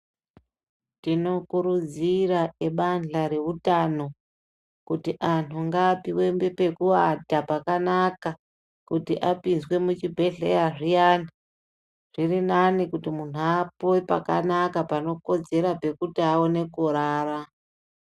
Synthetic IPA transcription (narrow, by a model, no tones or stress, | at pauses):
tino̞kuɾud͡ziraeɓanɮaɾe̞ʋutano̞ | kutiʔanuŋɡaːpiwe̞mbe̞pe̞kuatapakanaka | kutiʔapinzwe̞mut͡ʃibʱe̞ɮḛjaʐijana | ʐ̥irinanikutimun̤uapoipa̰ka̰nakapano̞ko̞d͡ze̞ɾape̞kutiawone̞kuɾaːra